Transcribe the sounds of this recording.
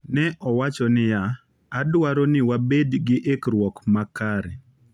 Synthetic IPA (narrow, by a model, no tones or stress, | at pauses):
nɛʔɔwat͡ʃɔnɪjaː | dwaɾɔnɪwabedɡɪʔekɾwɔkmakaɾe